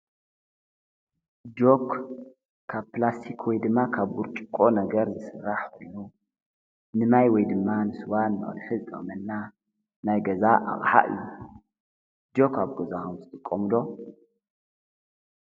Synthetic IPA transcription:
d͡ʒok | kʰaβplast̪ʰikʰwɔjd̪ɨmːakʰaβɡuɾt͡ʃʼɨkʼːo̞nɐɡɐɾzɨsɨrːaħkolːu | nɨmajwɔjd̪ɨmːanɨsɨwanːɨ̰χʼɐ̰lħɨzɨt̪ʼɐ̰χʼmɐnːa | najɡɐzaʔa̰ɣʼħa̰ʔɨ̰jːu | d͡ʒo̞kʰaβɡozakomzɨt̪ʼɨkʼːomɨd̪o̞

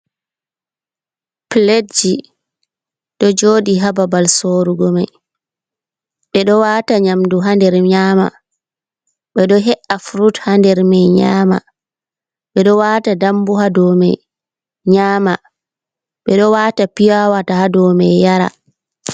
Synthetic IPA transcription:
pled͡ʒi | ɗɔd͡ʒoːɗiɦababalsoɾuɡɔmaj | ɓɛɗɔwaːtaɲamduɦandɛɾɲaːma̰ | ɓɛɗɔɦɛʔafɾuthandɛɾmɛjɲama̰ | ɓɛɗɔwaːtadambuɦadɔmɛ̰j | ɲaːma | ɓɛɗɔwaːtapijawatahadɔmɛjjaɾa̰

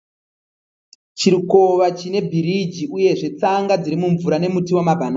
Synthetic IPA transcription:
t͡ʃiɾiko̞ʋat͡ʃine̞bʱiɾid͡ʒiuje̞ʐe̞t͡saŋɡad͡ziɾimuɱvuɾane̞mutiwamabʱana

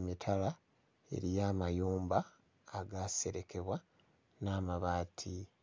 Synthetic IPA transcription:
mitʰala | e̞̰ɾijaːmajuːmbaː | ɡase̞ɾe̞ke̞βwa | naːmaβaːtʰi

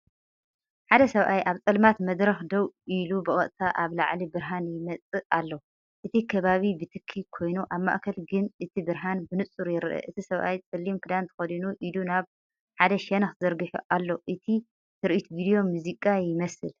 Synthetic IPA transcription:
ħad̪ɐsɐβʔajʔaβt͡sʼɐlmat̪mɐd̪ɾɐxd̪ɐwʔilubɨʔʼɐʔʼt̪ʰaʔaβlaʕlibɨɾɦanjɪmɐt͡sʼɨʔalːo | ʔɨt̪ʰikʰɐβaβibɨt̪ʰɨkʰːikʰo̞jnuʔaβma̰ʔkʰɐlɡɨnɨt̪ʰibɨɾɦanbɨnɨt͡sʼːuɾjɪɾʔɐ̰ʔɨt̪ʰisɐβʔajt͡sʼɨlːimkʰɨd̪ant̪ʰɨ̥xɐd̪inuʔid̪unaβ | ħad̪ɐʃɐnɐxzɐɾɡɨħṵʔalːoʔɨt̪ʰi | t̪ʰɨɾʔit̪vid̪jo̞muzikʼajɪmɐsɨl

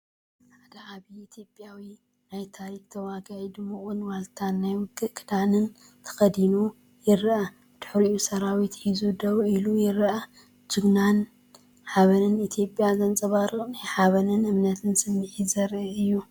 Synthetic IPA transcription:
ħad̪ɐʕaβiit̪ʰjo̞pʼjawi | najt̪ʰaɾikt̪ʰɐwaɡad̪ɨmːuχʼunwalt̪ʰanːajwɨɡɨkʰɨd̪anɨn | t̪ʰɐ̥xɐd̪inu | jɪɾʔɐ | d̪̥ɨ̥ħɾiusɐɾawit̪ħizud̪ɐβilujɪɾʔɐ | d͡ʒɨɡnan | ħaβɐnɨnit̪ʰjo̞pʼjazɐnt͡sʼɐβaɾɨχʼnajħaβɐnɨnɨmnɐt̪ʰɨnsɨmːɨħizɐɾɨɨjːu

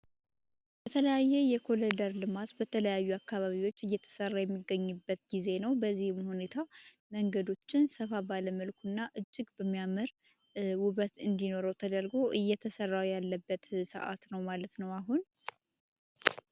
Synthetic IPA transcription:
bət̪ʰələjajːɛjɛkʰo̞led̪əɾlɨmat̪bət̪ʰələjajːuakːaβaβiwo̞t͡ʃːɨjːɛt̪ʰə̥sərːajɛmːiɡːəɲːɨbːət̪ɡize̞nəwbəzːihɨmhune̞t̪ʰa | məŋɡəd̪o̞t͡ʃːɪnsəfabaləməlkʰunːaʔɨd͡ʒːɪɡbəmːijaməɾ | wʊβət̪ɨnd̪ino̞ɾəwt̪ʰəd̪əlɡo̞ʔɨjːɛt̪ʰəsərːawjalːəbːət̪sə̰ʔa̰t̪nəwmalət̪nəwaɦun

